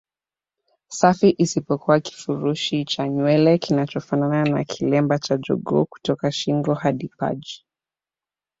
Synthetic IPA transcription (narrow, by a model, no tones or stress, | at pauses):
safiʔisipɔkuwaki̥fuɾuʃit͡ʃaɲwɛlɛkinat͡ʃɔfananana̰kʰilɛmbat͡ʃad͡ʒɔ̰ɡɔ̰ku̥tɔkaʃiŋɡɔhaɗipa̰d͡ʒi̥